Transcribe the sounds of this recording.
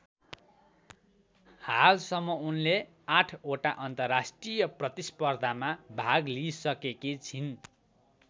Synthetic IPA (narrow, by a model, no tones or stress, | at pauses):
halsʌmːʌunle | aʈʰoʈaʔʌnt̪ʌrːasʈrijʌprʌt̪ispʌrd̪ʱamabʱaɡlisʌkekit͡sʰin